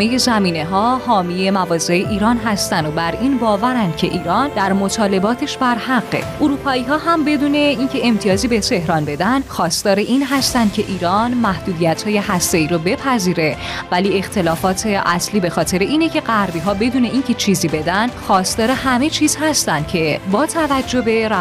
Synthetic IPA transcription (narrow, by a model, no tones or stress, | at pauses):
eje̞zæmiːne̞ɦɒːhɒːmije̞mævɒːze̞eʔiːɾɒːnɦæst̪ænd̪obæɾʔiːnbɒːvæɾænd̪̥̚cʰe̞̰ʔiːɾɒːnd̪æɾmot̪ʰɒːle̞bɒːt̪ʰe̞ʃbæɾhæɢːḛʔoɾuːpʰɒːiːɦɒːɦæmbe̞d̪uːne̞incʰe̞emt̪ʰijɒːziːbe̞t̪ʰe̞hɾɒːnbe̞d̪ænd̪xɒːst̪ɒːɾe̞ʔiːnɦæst̪ænd̪̥cʲʰe̞ʔiːɾɒːnmæhd̪uːd̪ijæt̪hɒːje̞ɦæst̪e̞iːɾobe̞pʰæziːɾe̞ | væliːe̞xt̪ʰe̞lɒːfɒːt̪ʰe̞ʔæsliːbe̞xɒːt̪ʰe̞ɾeʔiːne̞cʰe̞ɢæɾbiːɦɒːbe̞d̪uːne̞incʰe̞t͡ʃʰiːziːbe̞d̪ænd̪xɒːst̪ɒːɾe̞ɦæme̞t͡ʃʰiːz̥hæst̪ænd̪̥̚cʰe̞bɒːt̪ʰævæd͡ʒːo̞be̞ɾæ